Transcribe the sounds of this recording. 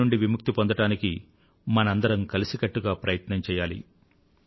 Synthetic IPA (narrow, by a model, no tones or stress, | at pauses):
uɳɖiʋimuk̚t̪ipond̪ɐʈaːniki | mɐnɐɐnd̪ɐɾɐmkɐlisikɐʈːuɡaːpɾɐjɐt̪nɐɲt͡ʃɛːjaːlḭ